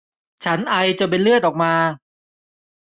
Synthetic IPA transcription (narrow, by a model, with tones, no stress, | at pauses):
t͡ɕʰa˦˥nʔa˧jt͡ɕa˨˩pe˧nlɯ˥˩ət̪̚ʔɔː˨˩k̚maː˧